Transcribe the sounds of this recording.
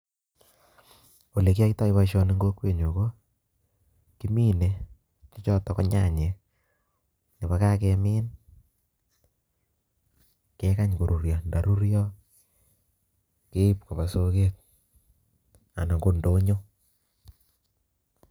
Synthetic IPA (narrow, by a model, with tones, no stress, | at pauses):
o˨le˨ki˦a˦kita˦i˦βa˦ʃɔ˦ne˦ŋɡo˦kwe˨ɲo˨ko˦ | ki˦mi˦ne˨ | t͡ʃɔ˦t͡ʃɔ˦tɔ˨kɔ˦ɲa̰˨ɲe˨ | ne˨βa˦ka˦kemɪ˦n | ke˦ka˦ɲko˨ɾu˨ɾja˨nda˨ɾu˦ɾjɔ˦ | ke˦p̚ko˨βa˨so˦ke˦k̚ | a̰˨na˨ŋɡo˦ndo˦ɲo˦